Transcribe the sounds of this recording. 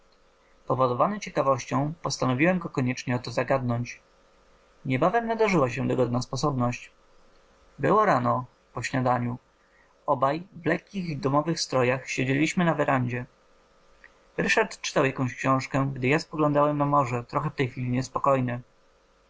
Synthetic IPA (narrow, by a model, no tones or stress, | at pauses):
pɔvɔd̪ɔvanɘt͡ɕɛkavɔɕt͡ɕɔ̃w̃pɔst̪anɔvʲiwɛmɡɔkɔɲɛt͡ʂɲɛɔt̪ɔzaɡad̪nɔɲt͡ɕ | ɲɛbavɛmnad̪aʐɘwaɕɛd̪ɔɡɔd̪naspɔsɔbnɔɕt͡ɕ | bɘwɔɾanɔ | pɔɕɲad̪aɲu | ɔbajvlɛkʲːiɣd̪ɔmɔvɘxst̪ɾɔjaxɕed͡ʑelʲiɕmɘnavɛɾʔaɲd͡ʑɛ | ɾɘʂaɾt̪t͡ʂɘ̥t̪awjakɔ̃w̃ɕkɕɔ̃w̃ʂkɛɡd̪ɘjaspɔɡlɔ̃nd̪awɛmnamɔʐɛt̪ɾɔxɛft̪ɛjxʲfʲilʲiɲɛspɔkɔjnɘ